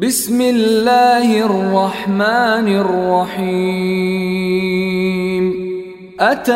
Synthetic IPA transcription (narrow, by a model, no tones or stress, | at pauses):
bɪsmɪlːaːhɑrrˤːɑħmaːnrːɑħiː | m | ʔat̪a